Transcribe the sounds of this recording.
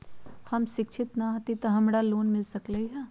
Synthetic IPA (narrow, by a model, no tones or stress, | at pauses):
hɐmʃɪkʃʰɪt̪nɐɦɐt̪it̪ɐɦɐmɽaloːnmɪlsɐklɐiɦɛː